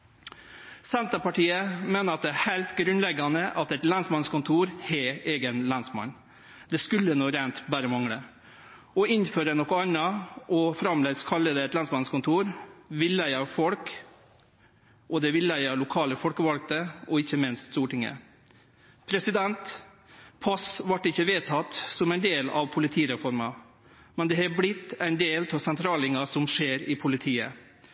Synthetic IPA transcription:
sɛnt̪əpɑʈiːəmeːnəɾɑt̪̚d̪ɛæhæɪlt̪ɡɾʉnlɛɡɑnəʔɑt̪ɛt̪lɑnsmɑnskʊnt̪ʰuːɾhɛʔeːɡənlɑnsmɑ̰n | d̪̥ɛskʉlːənuːɾæɪnt̪bæːɾəmɑŋɽə | ɔɪnføːɾənɔkːɔɑnɑʔɔfɾɑmlɛɡskʰɑlːəd̪əɛt̪lɑnsmɑnskʊnt̪ʰuːɾʋɪlːæɪɑfɔlk | ʔɔd̪ɛʋɪlːæɪɑlʊkʰɑːləfɔlkəʋɑlɡ̚t̪əɔɪçːəmɪnst̪st̪uːʈɪŋːə̰ | pʰɾɛsɪd̪ɛnt̪ | pʰɑsʋɑʈːɪçːəʋeːt̪ʰɑt̪sɔmæɪnd̪eːlɑ̰ʋpʰʊlɪt̪ʰiːɾɛfɔɾmɑ | mɛnd̪ɛhɑblɪt̪ːæɪnd̪eːlt̪ʰɔsɛnt̪ʰɾɑːlɪŋɑsɔmʂeːɾɪpʰʊlɪt̪ʰiːə̰

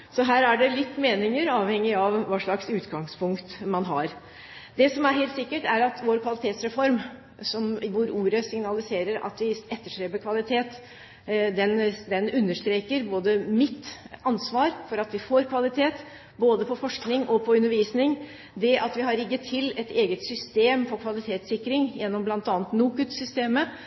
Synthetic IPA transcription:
sɔɦæːɾæɖɛlɪt̪ːmeːnɪŋəɾɑːʋhɛŋːɪɑʋʋɑːʂɭɑksʉːt̪ɡɑŋspʰʊŋkt̪mɑnɦɑɾ | d̪ɛsɔmæɾɦɛːlt̪sɪkːəʈæɾɑt̪ʋoɾkʰʋɑlɪt̪ʰeːt̪sɾɛfɔɾm | sɔmʋʊɾuːɾəsɪŋnɑlɪseːɾəɾɑ̰t̪ʋɪɛt̪ːəʂʈɾeːpəkʰʋɑlɪt̪ʰeːt̪ | d̪ɛnd̪ɛnʉnːəʂt̪ɾeːkəɾboːd̪əmɪt̪ | ɑnsʋɑːɾfɔɾɑt̪ʋɪfoːɾkʰʋɑlɪt̪ʰeːt̪ | boːd̪əpʰɔfɔʂknɪŋʔɔpʰɔʉnːəɾʋiːsnɪŋ | d̪ɛʔɑt̪ʋɪɦɑɾɪɡːət̪ʰːɪlɛt̪ʰeːɡət̪sʏst̪eːmfɔɾkʰʋɑlɪt̪ʰeːt̪sɪkːɾɪŋjɛnːɔmblɑnt̪ɑːnət̪nuːkʉt̪sʏst̪eːmə

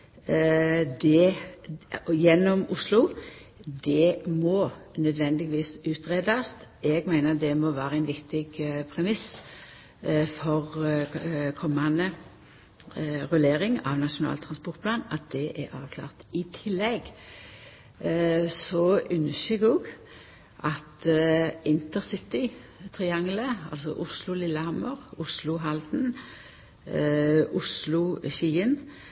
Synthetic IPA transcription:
d̪ɛ | jɛnːɔmʊslʊ | d̪ɛmɔnœd̪ʋɛnd̪ɪɡʋiːsʉːt̪ʁeːd̪ɑst̪ʔɛɡmæɪnəd̪ɛmɔʋæːɾəæɛɪnʋɪkt̪ɪɡpʰɾɛmɪs | fɔʁ | kʰɔmːɑnə | ʁʉleːʁɪŋɑ̰ʋnɑʃʊnɑ̰ːlt̪ʰʁɑnspɔʁt̪̚pʰlɑːnɑt̪̚d̪ɛʔɛɑ̰ːʋkʰlɑ̰ːʁt̪ɪt̪ʰɪlːɛɡ | sɔʔʉnʃʏɡoːɡ | ʔɑt̪ | ɪnt̪əʁsɪt̪ɪ | t̪ʰʁɪɑŋləɑ̰lsɔ̰ʔʊslʊlɪlːəhɑməʁʊslʊɦɑld̪n | ʔʊslʊʃiːən

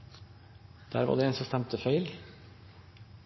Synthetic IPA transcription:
d̪̥æ̰ːɾʋɑ̰ːɖ̪eeːnsɔmst̪æmt̪əfœʏl

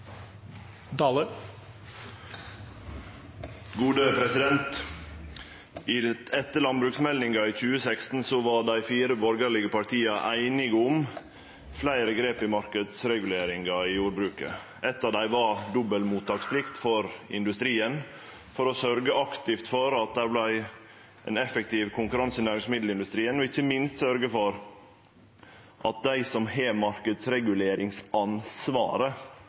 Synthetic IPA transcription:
d̪ɑːlə | ɡuːd̪əpʰɾɛsɪd̪ɛnt̪ | ʔiːɛt̪ːəɭɑnbɾʉːksmɛlnɪŋɡɑiːc͡çʉːəsækst̪n̩soʋɑːɖæɪfiːɾəbɔɾɡəɾɭɪɡəpɑʈ̪ʰiːɑʔæɪnɪɡəʊm | flæɪɾəɡɾeːpɪmɑɾkəd̪sɾɛɡʉleːɾɪŋɡɑiːjuːɾbɾʉːkə̰ | ɛt̪ːɑːd̪æɪʋɑɾd̪ɔbəlmuːt̪ːɑːkspʰlɪkt̪fɔɾɪ̰nd̪ʉst̪ɾiːən | fɔɾɔsœɾɡəʔɑkt̪ɪft̪fɔɾɑt̪̚d̪æɾblæɪ | ʔɛnɛfək̚t̪ʰɪːʋkʰʊŋkʉɾɑnsənæːɾɪŋsmɪd̪l̩ɪnd̪ʉst̪ɾiːənɔɪçːəmɪnst̪sœɾɡəfɔɾ | ʔɑt̪̚d̪æɪsɔmheːmɑɾkəd̪sɾɛɡʉleːɾɪŋsɑnsʋɑ̰ːɾə

